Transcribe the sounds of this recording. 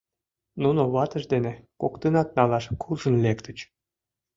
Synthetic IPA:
nunoβɑt̪əʃd̪enekokt̪ənɑt̪̚nɑlɑʃkʰulʒə̆nlekt̪ət͡ɕ

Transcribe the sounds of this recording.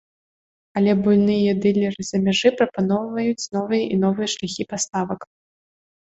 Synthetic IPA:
ɐlʲɛbulʲnɨjɐd̪ɨlʲɐɾɨz̥ɐmʲaʐɨpɾɐpanɔwvɐjut͡sʲn̪ɔvɨjɐʔin̪ɔvɨjɐʂlʲaxʲipast̪avɐk

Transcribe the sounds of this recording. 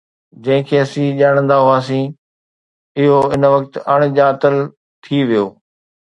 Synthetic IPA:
d͡ʑɐ̃ɦɪ̃kʰeːɐsĩːʄaːɽ̃ə̃nd̪aɦʊaːs̬ĩː | ɪɦoɪnʋɐk̚t̪ɐɽ̃ʄaːt̪əl | t̪ʰiʋijoː

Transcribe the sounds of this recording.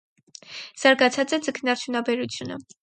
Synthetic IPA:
z̥ɑɾɡɑt͡sʰɑt͡sɛd͡zəkʰnɑɾt͡ʃʰjunɑbɛɾut͡sʰjunə̰

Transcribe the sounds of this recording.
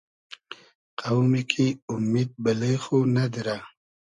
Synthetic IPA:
qawmikʰiʊmid̪̚bəlexunad̪iɾa

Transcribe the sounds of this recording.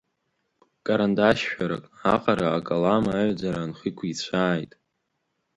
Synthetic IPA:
kʼaɾandaʃʃᶣaɾa̰kʼaqʼaɾaːkʼalamaːʕʷad͡zaɾanχikʷʰit͡ɕʷʰaːjtʼ

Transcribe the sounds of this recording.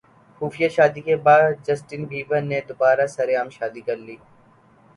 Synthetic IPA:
xuːfɪjaʃaːd̪ikebaːd̪d͡ʒɐsʈɪnbʱiːʋəned̪ʊbaːɾasɐɾeaːmʃaːd̪ikɐɾliː

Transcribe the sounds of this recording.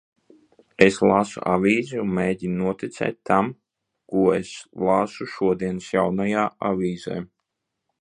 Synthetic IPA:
eslˠaːsṵʔa̰vʲiːziunmeːɟʲinunuɔt̪ʲit̪sɛ̰ːt̪̚ʲt̪am | kuɔeslˠaːsuʃuɔd̪iɛnsjawnajaːa̰vʲiːza̰j

